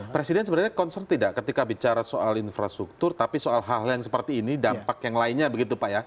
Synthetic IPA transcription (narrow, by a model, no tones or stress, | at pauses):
pɾesidɛnsəbənaɾrɲakɔnsərt̪idaʔkət̪ikabit͡ʃaɾasoʔalinfɾast̪ɾuk̚t̪ʊrt̪apisoalɦaljaŋsə̥pərt̪iːnidampakjaŋlaɪnɲabəɡit̪upaʔja